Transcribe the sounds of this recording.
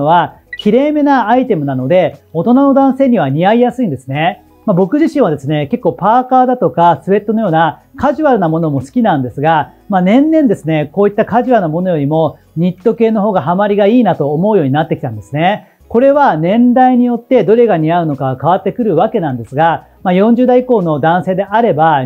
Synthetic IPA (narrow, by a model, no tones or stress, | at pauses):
βa | kʲiɾe̞ːme̞naːit̪e̞mɯ̟nano̞d̪e̞o̞t̪o̞nano̞d̪ãɰ̃se̞ːɲ̟iβaɲ̟iaijasɨĩnd̪e̞sɨne̞ | mabo̞kɯ̟ʑiɕĩɰ̃βad̪e̞sɨne̞ke̞kːo̞ːpaːkaːd̪at̪o̞kasɨβe̞t̪ːono̞jo̞ːnakaʑɨβaɾɯnamo̞no̞mo̞sɨ̥kʲinãnd̪e̞sɨɡa | maːnẽ̞nːẽ̞nd̪e̞sɨne̞koːit̪ːakaʑiβanomo̞no̞jo̞ɾʲimo̞ | ɲ̟it̪ːo̞ke̞ːno̞ɦo̞ːɡaɦamaɾʲiɡaiːnat̪o̞ːmo̞ɯjo̞ːɲ̟inat̪ːekʲi̥t̪ãnd̪e̞sɨne̞ | ko̞ɾe̞βanẽ̞nd̪aiɲ̟ijo̞t̪ːe̞d̪o̞ɾe̞ɡaɲ̟iaɯ̟no̞kaɡkaβat̪ːe̞kɯ̟ɾɯ̟βake̞nãnd̪e̞sɨɡa | majõ̞ɲ̟d͡ʑɨːd̪aiko̞ːno̞d̪ãɰ̃se̞ːd̪e̞ʔaɾe̞ba